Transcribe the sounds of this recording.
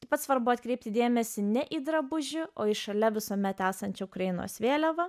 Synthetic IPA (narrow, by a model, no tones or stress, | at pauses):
t̪ʲɐɪpɐt̪sʋɐɾbʊɐt̪ʲkɾʲɛɪp̚ʲt̪ʲɪd̪ʲeːmʲɛsʲɪnʲɛʔiːd̪ɾɐbʊʒʲɪʔoːɪʃɐlʲɛʋʲɪsoːmʲɛt̪æːsɐnʲt͡ʃʲoʊkɾɐjɪno̰ːsʋʲeːlʲɛʋɐ